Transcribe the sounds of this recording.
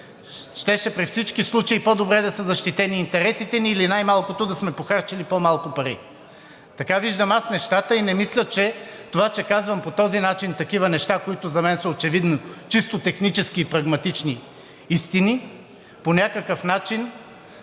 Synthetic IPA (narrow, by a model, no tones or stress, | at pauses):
ʃt̪ɛʃɛpɾifsit͡ʃkislˠut͡ʃɐipɔd̪obɾɛd̪ɐsəzɐʃt̪it̪ɛniːnt̪ɛɾɛsit̪ɛniːlinajmalˠkot̪od̪ɐsmɛpoxaɾt͡ʃɛlipomalˠkopɐɾḭ | t̪ɐkaviʒd̪ɐmasnɛʃt̪at̪əinɛmislʲɐt͡ʃɛt̪ovat͡ʃɛkazvɐmpot̪ɔzinat͡ʃint̪ɐkivɐnɛʃt̪akoit̪ʊzɐmɛnsəot͡ʃɛvid̪not͡ʃist̪ot̪ɛxnit͡ʃɛskiːpɾɐɡmɐt̪it͡ʃni | ist̪ini | ponʲakəkəfnat͡ʃin